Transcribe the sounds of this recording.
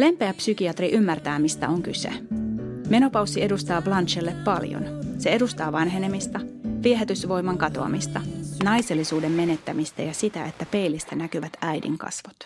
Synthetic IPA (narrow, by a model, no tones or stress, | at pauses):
le̞mpe̞æpsykiɑt̪riʔymːært̪æːmist̪æ̰o̞ŋkysḛ | me̞no̞pɑwsːie̞dust̪ɑːblɑnʃelːepːɑljo̰nse̞e̞dust̪ɑːʋɑnɦe̞nemist̪ɑʋieɦet̪ysʋo̞jmɑŋkɑt̪o̞̰ɑ̰mist̪ɑnɑjse̞lːisuːdemːe̞net̪ːæmist̪æjɑsit̪æe̞t̪ːæpe̞ijlist̪ænækyʋæt̪æjdḭŋkɑ̰sʋot̪